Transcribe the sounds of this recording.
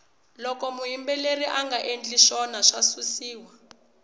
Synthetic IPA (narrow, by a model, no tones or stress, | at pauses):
lɔkɔmuɦimbɛleriʔaŋɡaʔend͡ɮiʃɔnaʂasusiːwa